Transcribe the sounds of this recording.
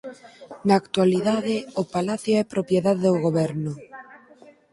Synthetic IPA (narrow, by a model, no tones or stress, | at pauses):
naːkt̪waliðaðɪʊpalaθjoɛpɾopjeðaðeðoɣoβɛɾnʊ